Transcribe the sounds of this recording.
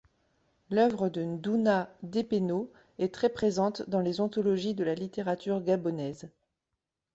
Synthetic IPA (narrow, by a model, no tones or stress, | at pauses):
lœvʁəd̪ənd̪unad̪epeno | ɛt̪χɛpχezɑ̃t̪d̪ɑ̃lezɔ̃t̪ɔlɔʒid̪əlalit̪eʁat̪yʁɡʲabɔnɛz